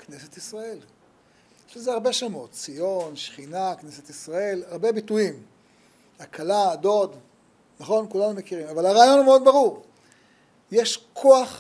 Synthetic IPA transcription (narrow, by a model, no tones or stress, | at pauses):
kne̞set̪isʁae̞l | jeʃlezeaʁbe̞ʃamo̞tt͡sijonʃχinakneset̪isʁae̞laʁbe̞bituim | akʰalado̞d̪ | naχo̞nkulanumekiʁimavalaʁaːjo̞numeo̞d̪baʁuʁ | jeʃkʰo̞aχ